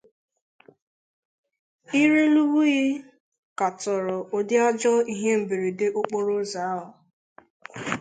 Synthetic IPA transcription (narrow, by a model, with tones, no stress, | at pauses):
i˦ɾe˦lu˦bu˦ɣɪ˦ | ka˨tɔ˨ɾɔ˨o˨dɪ˦a˦d͡ʒɔ˦i˦ɦe˦m̩˨bi˨ɾi˨de˦ʔo˦k͡po˦ɾo˦za˨˦ɦa˨